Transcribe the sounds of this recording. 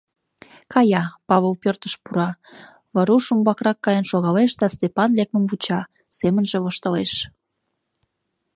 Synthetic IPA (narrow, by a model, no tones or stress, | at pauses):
kʰɑjɑpɑβəlpørt̪ə̥ʃpuɾɑ | βɑɾuʃumbɑkrɑkːɑjənʃoɣɑleʃd̪ɑst̪epɑnlek̚məmvut͡ɕɑ | semənʒeβoʃt̪əleʃ